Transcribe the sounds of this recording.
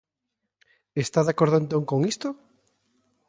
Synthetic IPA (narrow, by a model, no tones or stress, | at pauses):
est̪aðakoɾðoẽnt̪oŋkoŋist̪o